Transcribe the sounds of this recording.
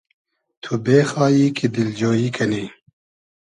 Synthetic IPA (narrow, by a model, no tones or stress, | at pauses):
t̪ʰubeːxɑːjiːkʰid̪ɪld͡ʒoːjiːkʰɐni